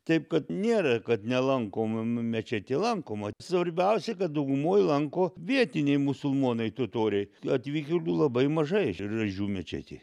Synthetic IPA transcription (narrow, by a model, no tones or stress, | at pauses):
t̪ɐɪpkɐt̪nʲeːɾɐkɐt̪nʲɛlˠɐŋkoːmmʲɛt͡ʃʲæt̪ʲeːlˠɐŋkoːmɐsʋɐɾʲbʲɛʊsʲɛkɐt̪̚d̪ɐʊɡʊmoːjlˠɐŋkoːʋʲiɛt̪ʲɪnʲɛɪmʊsʊlˠmoːnɐɪt̪ʊt̪oːɾʲɛɪɐt̪ʲʋʲiːkʲod̪ulˠɐbɐɪmɐʒɐɪrɐʒʲuːmʲɛt͡ʃʲæ̰ːt̪ʲḛː